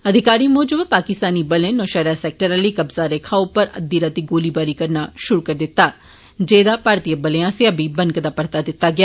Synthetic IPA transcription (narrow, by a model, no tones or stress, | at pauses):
ɐd̪ʱɪkaːɾimoːd͡ʒəbpaːkɪst̪aːnibəlẽnɔːʃəːɾaːsɛːk̚ʈəɾalikɐbzaɾekʰaːopəɾə̰d̪ːiɾat̪iɡoːlibaːɾikɐɾnaʃʊɾukəɾd̪ɪt̪ːaː | d͡ʒeːd̪apaːɾt̪ijəbəleãseɐbibə̃nkəd̪aːpɐɽt̪ad̪ɪt̪ːaɡɪjaː